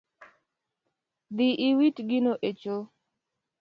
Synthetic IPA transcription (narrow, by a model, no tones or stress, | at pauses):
d̪ɪʔiwitɡinoʔet͡ʃo